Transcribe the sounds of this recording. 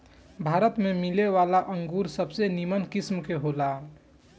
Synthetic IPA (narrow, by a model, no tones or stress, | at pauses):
bʱaɾət̪memileʋalaʔəŋɡuɾsəbsenimənkismkeɦola